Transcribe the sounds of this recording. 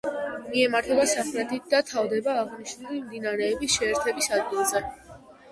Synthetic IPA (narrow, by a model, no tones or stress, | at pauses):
miɛmaɾt̪ʰɛbasaχɾɛt̪ʰit̪̚ʰd̪at̪ʰavd̪ɛbaːʁniʃnulimd̪inaɾɛːbisʃɛːɾt̪ʰɛbisad̪ɡilˠzɛ